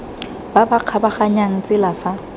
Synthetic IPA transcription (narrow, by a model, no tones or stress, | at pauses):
babaq͡χʰabaχaɲaŋ̩t͡sʼɪlafa